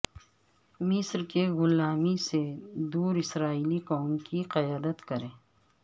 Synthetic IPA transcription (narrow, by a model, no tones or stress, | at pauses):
mɪsɾkeɣʊlaːmised̪uːɾɪsɾaːiːliqɔːmkiqɐjaːd̪ət̪kɐɾẽː